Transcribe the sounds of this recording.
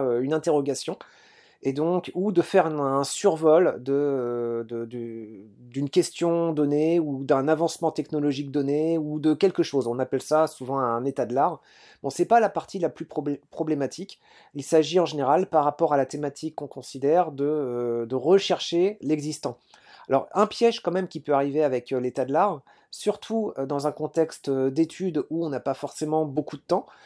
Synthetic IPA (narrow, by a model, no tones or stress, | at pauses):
øynɛ̃t̪eʁɔɡʲasjɔ̃ | ed̪ɔ̃kud̪əfɛʁɛ̃syʁvɔld̪əd̪əd̪yd̪ynkʲɛst̪jɔ̃d̪ɔneud̪ɛ̃navɑ̃smɑ̃t̪ɛknɔlɔʒik̚d̪ɔneud̪əkʲɛlkəʃozɔ̃napɛlsasuvɑ̃ɛ̃net̪ad̪laʁ | bɔ̃sɛpalapaʁt̪ʰilaplypχɔbpχɔblemat̪ʰik | ilsaʒiɑ̃ʒeneʁalpaʁːapɔʁalat̪emat̪ʰikːɔ̃kɔ̃sid̪ɛʁd̪əd̪əʁəʃɛʁʃelɛɡzist̪ɑ̃ | alɔ̰ʁɛ̃pjɛʒkɑ̃mɛmkʲipøaʁiveavɛklet̪ad̪əlaʁ | syʁt̪ʰuød̪ɑ̃zɛ̃kɔ̃t̪ɛkst̪d̪et̪ʰyd̪uɔ̃napafɔʁsemɑ̃bokud̪ət̪ɑ̃